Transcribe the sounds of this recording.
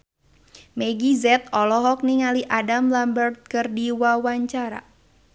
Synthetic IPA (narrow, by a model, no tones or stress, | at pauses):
mɛɡizɛt̪̚ɔlɔɦɔk̚niŋaliʔadamlambərt̪̚kɨrdiwawaɲt͡ʃaɾa̰